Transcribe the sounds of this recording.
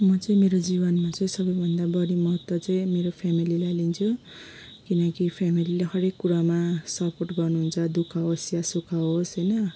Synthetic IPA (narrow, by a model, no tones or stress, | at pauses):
mʌt͡sʌĩmeɾod͡zibʌnmat͡sʌĩsʌbʌjbʱʌnd̪abʌɾimʌɦʌt̪wʌt͡sʌĩmeɾopʰamililajlint͡sʰu | kinʌkipʰamilileɦʌɾekːuɾamasʌporʈɡʌrnuɦunt͡sʰʌd̪ukʰaosjasukʰaosɦʌjnʌ